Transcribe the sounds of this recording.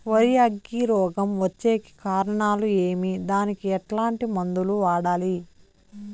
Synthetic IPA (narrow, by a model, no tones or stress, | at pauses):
ʋɐɾijɐɡːiɾɔːɡɐmʋɐt͡ʃːe̞ːki̥kaːɾɐɳaːlueːmid̪aːnikiɛʈlaːɳʈimɐnd̪uluʋaːɽaːli